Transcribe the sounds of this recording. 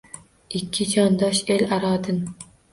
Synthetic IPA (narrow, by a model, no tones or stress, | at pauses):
ɪkʲʰːɪt͡ʃʰɒnd̪ɒʃelaɾɒːd̪ɪn